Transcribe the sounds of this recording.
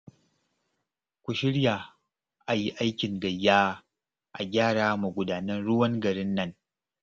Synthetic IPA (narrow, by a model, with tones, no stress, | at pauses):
kʷu˨ʃɪ˦ɽja˨ | ʔa˨ji˦ʔa˦jkʲɪ˨ŋɡɐ˨jːaː˦ | ʔa̰˨ɡʲaː˦ɽaː˦mu˨ɡʷʊ˨daː˨nɐ˦nɽʊ˦wɐ˦ŋɡɐ˨ɾɪ˦nːɐ˦ŋ